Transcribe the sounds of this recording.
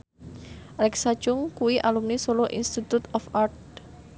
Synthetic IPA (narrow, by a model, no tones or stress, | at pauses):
ʔalɛksḁt͡ʃʊŋkuwiʔalumnisoloʔinst̪it̪ut̪ɔfart̪̚